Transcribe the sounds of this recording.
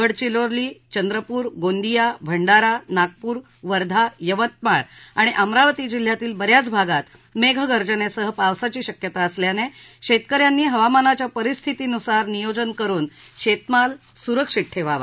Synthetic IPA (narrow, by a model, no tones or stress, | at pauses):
əɽt͡ɕiloɾliːt͡ɕənd̪ɾəpuːɾɡond̪ijabʱəɳɖaɾanaɡ̚puːɾ | ʋəɾd̪ʱajəʋət̪̚maɭaɽ̃iʔamɾaʋt̪iːd͡ʑil̤jat̪iːlbəɾjat͡sbʱaɡat̪ | meɡʱɡəɾd͡ʑənesəɦəpaʋsat͡ɕiːɕəkjət̪aəsljaneɕet̪kəɾjanːiːɦəʋamanat͡ɕjapəɾist̪ʰit̪iːnusaɾnijod͡ʑənkəɾuːnɕet̪malsuɾəkʂiʈʰːeʋaʋa̰